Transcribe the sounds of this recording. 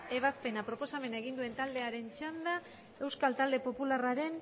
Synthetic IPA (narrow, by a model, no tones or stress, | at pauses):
e̞β̞aspe̞napɾo̞po̞same̞naeɣ̞ind̪ue̞nt̪ald̪e̞aɾe̞nt͡ʃand̪a | e̞wskalt̪ald̪e̞po̞pularaɾe̞n